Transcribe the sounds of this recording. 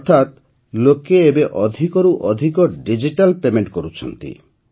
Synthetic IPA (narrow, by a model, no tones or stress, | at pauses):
ɔɾt̪ʰat̪ | lokeebeʔɔd̪ʱikɔɾuʔɔd̪ʱikɔɖid͡ʒiʈalpemeɳʈkoɾut͡ʃʰɔ̰nt̪ḭ